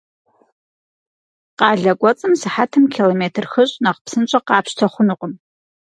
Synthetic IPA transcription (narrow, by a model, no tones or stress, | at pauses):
qɑːɮɐɡʷɔt͡sʼɨmsɨħatʰɨmkʰilomeːtʰɨrxɨɕʼnɐqəpsɨnt͡ʃʼɐqɑːpɕtʰɐχʷʊnʊqʼəm